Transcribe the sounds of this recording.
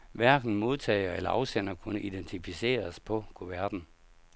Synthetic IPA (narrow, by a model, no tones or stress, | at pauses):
ʋæɐɡ̥n̩mo̝ð̞ˠt͡sʰɛ̰ɪɐelɐɑ̈ʊsen̰ɐkʰunəʔid̥ent͡sʰifise̝̰ːɐspʰɒ̽kʰoʋæɐd̥n̩